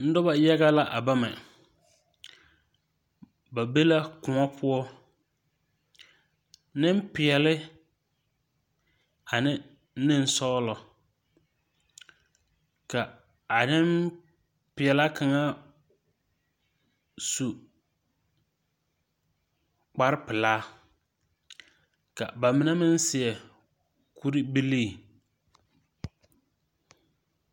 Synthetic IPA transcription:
n̩˦dɔ˦ba˦ja˦ɣa˦la˦ʔa˨ba˦mɛ˨ | ba˨be˦la˦kʊ̃˨ŋɔ˦pʰʊ˦ɔ˦ | nɪ̃˦m˦pɪ˨ɛ˨lɪ˦ | a˨nɪ̃˦ | n̩˦nɪ̃˦n̩˦sɔ˦lɔ˨ | ka˨ | a˨nɪ˦m | pɪ˨ɛ˨la˦kʰa˨ŋa˦ | su˨ | k͡pa˦ɾɪ˦pɪ˨laː˦ | ka̰˨ba˨mɪ˨˦na˦mɪ˦n˦sɪ˨ɛ˨ | kʰu˦ɾi˦bi˦li˦˨

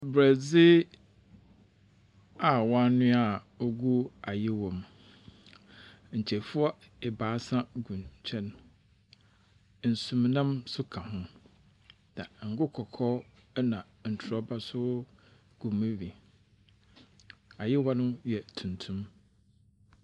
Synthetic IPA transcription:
bɾæ˨d͡zɪ˦ | a˨wã˦nʊ̃˦a˨ | o˦ɡu˦a˨jɪ˦wɔ̃˨m | ɲ̩˨t͡ɕʰɛ˨fʊ˦ɔ˦ | ɪ˨baː˨˦sã˦ɡũ˨nt͡ɕʰɛ̃˦n | n̩˨sũ˨mnã˦msʊ˦kʰã˨hʊ̃˦ | nã˨ŋ̩˨ɡʊ˦kʰɔ˨kʰɔ˦ | nã˨ | n̩˨tʰʊ˨ɾɔ˦ba˦sʊ˦ | ɡ̥ũ˨mɪ̃˦wi˨ | a˨jɪ˦wɔ˦nʊ̃˦jɛ˨tʰũ˨ntʰũ˦m

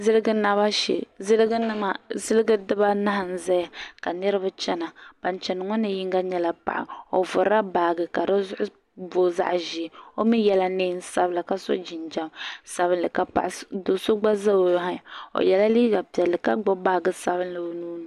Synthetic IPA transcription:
zɨ˦lɨ˦ɡɨ˦na˦βa˦ʃḛ˨zɨ˦lɨ˦ɡɨ˦nɨ˦ma˨zɨ˦lɨ˦ɡɨ˦dɨ˦ba˦na˦ɦa˨n̩˦za˦ja˨ka˨nɨ˦ɾɨ˦ba˦t͡ʃɛ˦na˨b̥a˨nt͡ʃɛ˨n˨ŋɔ˦nɨ˨ji˦ŋɡa˦ɲɛ˦la˦pa̰˨ʔɪ̰˨o̰˨vʊ˨ɾa˦baː˨ɡɨ˨ka˨ɾo˦zʊ˦ʔʊ˦ | boː˨za̰˦ʔʒi˨o˦mi˦jɛ˦la˦neː˦n˦sa˦bɨ˨la˨ka˦so̰˦d͡ʒi˨nd͡ʒa˦msa˨βɨ˦nlɨ˨ka˨pa̰˨ʔdo˨so˦ɡ͡ba˦za˦o˨jɦa˦a˨o̰˨jɛ˨la˦liː˦ɡa˨pi˨ɛ˨lːɨ˨ka˦ɡ͡bo˦baː˦ɡɨ˨sa˦bɨ˦nlɨ˨o˨nuː˦n˨

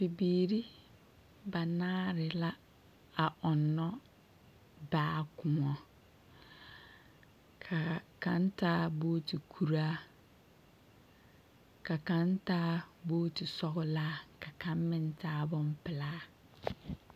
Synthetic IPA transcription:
pi˨biː˨ɾi˦ | ba˨nãː˦ɾɪ˨la˦ | a˨ʔɔ̃˨nːɔ̃˦ | baː˨˦˨kʰʊ˨ɔ̃˨ | kʰa˨kʰã˦n˦tʰaː˦boː˦tʰi˨kʰu˨ɾaː˦ | kʰa˨kã˦n˦taː˦boː˦tʰi˨sɔ˦kʊ˦laː˦kʰa˨kʰã˦m˦mɪ̃˦n˦tʰaː˦bɔ̃˦m˦pʰɪ˨laː˦

